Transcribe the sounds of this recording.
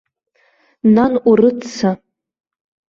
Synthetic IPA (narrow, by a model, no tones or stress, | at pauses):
nanʔʷurɨt͡sʰːa